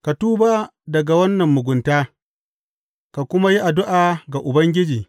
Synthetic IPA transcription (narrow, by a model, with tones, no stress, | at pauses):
ka˨tuː˦ba˦dɐ˨ɡa˨wɐ˦nːɐ˨mːʊ˨ɡʷʊ˨ntaː˦ | ka˨kʷʊ˦ma˦ji˦ʔa˨dʊ˦ʔaː˨ɡa˨ʔʊ˨bɐ˦ŋɡʲɪ˦d͡ʒiː˨